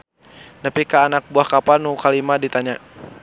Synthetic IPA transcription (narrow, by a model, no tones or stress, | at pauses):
napikaːnak̚buahkapalnukalimadit̪aɲa